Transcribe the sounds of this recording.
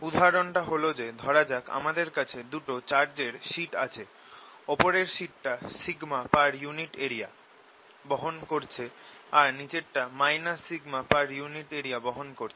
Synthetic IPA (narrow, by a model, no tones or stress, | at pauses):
ud̪ʱaɾonʈaɦolod͡ʑed̪ʱɔɾad͡ʑaka̰mad̪eɾkat͡ɕʰed̪uʈot͡ɕaɾd͡ʑeɾʃiʈa̰t͡ɕʰe | ɔpoɾeɾʃiʈːasiɡmapaɾjuniʈeɾia | boɦonkoɾt͡ɕʰeaɾnid͡ʑeʈːamajnasiɡmapaɾjuniʈeɾijaboɦonkoɾt͡ɕʰe